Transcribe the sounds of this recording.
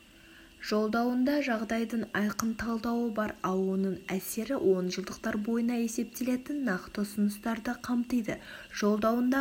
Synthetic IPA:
ʒ̥o̞lˠd̪ɑwənd̪ɑʒɑʁd̪ɑjd̪əɴɑjqənt̪ʰɑlˠd̪ɑwəbɑɾɑlˠwonəɴæse̞ɾɪwʔo̞nʒəlˠd̪əq̚t̪ɑɾbo̞jənɑe̞se̞p̚t̪e̞le̞t̪ɪnːɑqt̪əʊsʊnəst̪ɑɾd̪əqʰɑmt̪əjd̪əʒ̥o̞lˠd̪ɑwənd̪ɑ

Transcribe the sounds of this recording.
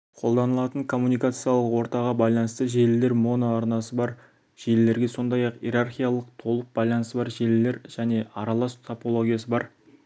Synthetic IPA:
qʰo̞lˠd̪ɑnəlˠɑt̪əɴkʰo̞mːunijkat̪sɨjɑlˠəqwo̞ɾt̪ɑʁɑbɑjlˠɑnəst̪əʒe̞lɪle̞ɾmo̞noɑɾnɑsəbɑɾ | ʒ̥e̞lle̞ɾɡʲe̞so̞nd̪ɑjɑqjeɾarχʲijalˠəqt̪ʰo̞lˠəq̚bɑjlˠɑnəst̪əbɑɾʒe̞lle̞ɾʒ̥æne̞ɑɾɑlˠɑst̪ʰopo̞lˠo̞ɡʲijasəbɑɾ

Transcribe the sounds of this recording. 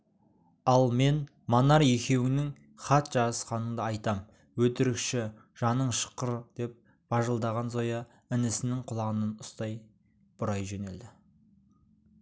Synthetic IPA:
ɑlˠme̞n | monɑɾje̞kʲʰe̞wɪnɪŋ | χɑt̪ʒ̥ɑəsqɑnəɴd̪əɑjt̪ɑm | wɵt̪ɪɾɪkʃɪ | ʒ̥ɑnəɴʃə̥qəɾd̪̥e̞p̚ | b̥ɑʒəlˠd̪ɑʁɑnzo̞jɑ | ɪnɪsɪnɪŋqʰʊlˠɑʁənənʊst̪ɑj | b̥ʊɾɑjʒene̞ld̪ɪ

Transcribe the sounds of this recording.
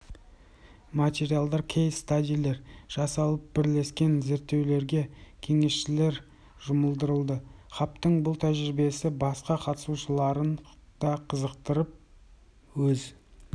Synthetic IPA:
mat̪ʲe̞ɾijalˠd̪ɑɾkʲʰejst̪ad̪ʲijlʲe̞ɾʒ̥ɑsɑlˠəp̚bɪɾle̞skʲe̞nze̞ɾt̪ːe̞wle̞ɾɡʲe̞kʲʰe̞ŋe̞sʃɪle̞ɾ | ʒʊməlˠd̪əɾəlˠd̪əχɑp̚t̪əɴbʊlˠt̪ʰæʒɾɪbe̞sɪbɑsqɑqʰɑt̪ə̥suʃəlˠɑɾənd̪̥ɑqʰəzəqt̪əɾəp̚ | wɵz

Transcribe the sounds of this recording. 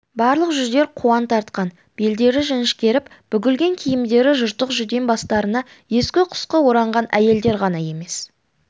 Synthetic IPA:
bɑɾlˠəqʒʏzd̪e̞ɾqʰuɑnt̪ʰɑɾt̪̚qɑn | b̥e̞ld̪e̞ɾɪʒɪnɪʃkʲe̞ɾɪp | b̥ʏɡʲɪlɡʲe̞ŋkʲʰijɪmd̪e̞ɾɪʒʊɾt̪əqʒʏd̪e̞nbɑst̪ɑɾənɑ | je̞skʲɪqʰʊ̥sqəwo̞ɾɑɴʁɑnæje̞ld̪e̞ɾʁɑnɑje̞me̞s

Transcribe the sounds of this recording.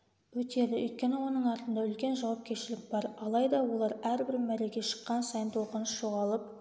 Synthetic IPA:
wɵt̪elɪʔʏjt̪̚kʲe̞newo̞nəɴɑɾt̪ənd̪ɑʏlkʲe̞nʒɑwɑp̚kʲʰe̞ɾʃɪlɪk̚ʲbɑɾɑlˠɑjd̪ɑwo̞lˠɑɾæɾbɪɾmæɾeɡʲeʃə̥qːɑnsɑjənt̪woqɑnəsʒoʁɑlˠəp̚

